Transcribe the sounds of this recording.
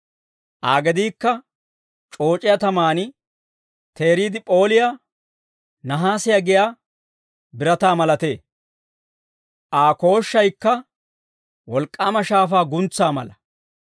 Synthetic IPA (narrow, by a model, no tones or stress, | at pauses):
ʔaːɡɛd̪iːkːɐ | t͡ʃʼo̞ːt͡ʃʼɪjɐt̪ɐmaːnɪ | t̪e̞ːɾiːd̪ɪpʼo̞ːlɪja | nɐɦaːsɪjɐɡɪjaː | bɪɾɐt̪aːmɐlɐt̪e̞ː | ʔaːko̞ːʃːɐjkːɐ | wɔlkʼːaːmɐʃaːfaːɡʊnt͡sːaːmɐ̰lɐ